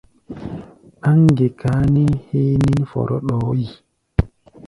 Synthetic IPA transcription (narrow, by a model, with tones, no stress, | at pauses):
a˦ŋɡe˨ka˦ni˦he˦ni˦nfɔ̰˨ɾʔɔ˦ɗɔ˨˦ji˨